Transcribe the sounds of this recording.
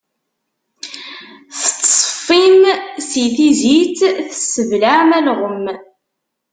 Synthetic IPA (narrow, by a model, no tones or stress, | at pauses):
θt͡sːfːinsiθizit͡sθəsːəvlaʕmælʁəm